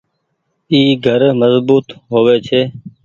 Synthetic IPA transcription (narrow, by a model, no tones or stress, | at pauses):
iːɡʱəɾməzbuːt̪ɦoːʋeːt͡ʃʰeː